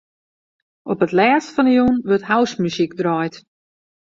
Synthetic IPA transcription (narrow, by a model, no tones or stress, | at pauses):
ʔɔpətlɛːstfɔnəjunʋørthawsmysikdrɔjt